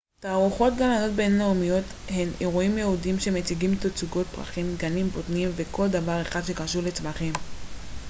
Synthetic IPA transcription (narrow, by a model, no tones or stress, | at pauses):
taːʁuχo̞t̚ɡamlano̞t̚be̞nnaumijo̞t̪ | he̞neʁuimjeudimʃemet͡siɡimt̪ot͡suɡo̞t̚pʁa̰χimɡanimbotnimve̞kʰo̞ld̪avaʁe̞χad̪ʃekaʃulet͡smaχim